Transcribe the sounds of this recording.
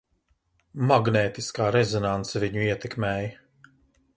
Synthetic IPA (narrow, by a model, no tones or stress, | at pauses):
maɡnɛːt̪iskaːɾɛzɔnant̪sɛviɲuiɛt̪ɛkmɛːj